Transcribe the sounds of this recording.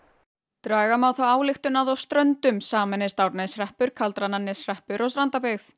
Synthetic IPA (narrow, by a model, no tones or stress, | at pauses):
t̪ɾaːɣamawθawaːwlɪxt̪ʏnaðɔwst̪ɾœnt̪ʏmsaːmɛnɪst̪awɾnasrɛhpʏɾ̥kʰalt̪ɾananːɪsrɛhpʏɾʔɔsɾant̪apɛθ